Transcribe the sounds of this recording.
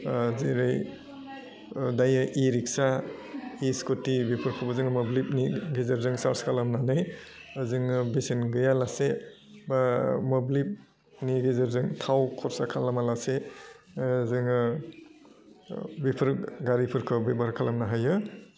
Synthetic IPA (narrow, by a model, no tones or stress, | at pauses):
zeɾɯj | dajɯʔiɾiksa | iskotibipʰɯɾkʰɔbɯzɯŋmɔblip̚niɡezaɾzɯŋsaɾskʰalamnanɯjzɯŋɯbisenɡɯjalase | bamɔblip̚ | niɡezaɾzɯŋtʰawkʰɔɾsakʰalamalase | zɯŋɯ | bipʰɯɾɡaɾipʰɯɾkʰɯbebaɾkʰalamnaɦajɯ